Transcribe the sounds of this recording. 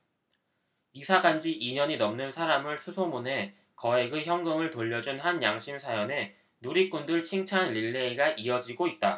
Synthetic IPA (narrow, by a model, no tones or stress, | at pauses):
isʰaɡand͡ʑiʔiɲʌɲinʌmnɯnsʰaɾamɯɭsʰusʰomune̞ | kʌe̞ɡɯçjʌŋɡɯŋɯɭtoʎːʌd͡ʑunhanjaŋɕʰimsʰajʌne̞ | nuɾik̚k͈undɯɭt͡ɕʰiŋt͡ɕʰanʎiɭːe̞iɡaʔiʌd͡ʑiɡoit̚t͈a